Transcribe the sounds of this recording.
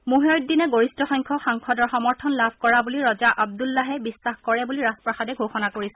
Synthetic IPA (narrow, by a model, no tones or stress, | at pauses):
muɦeɹt̚dinɛɡoɹistɔxɔŋkʰɔxaŋkʰɔdɔɹxɔmɔɹtʰɔnlabʱkɔɹabuliɹɔzaʔab̚dulːaɦɛbisːaxkɔɹɛbuliɹaspɹaxadɛɡʱoxɔnakoɹisɛ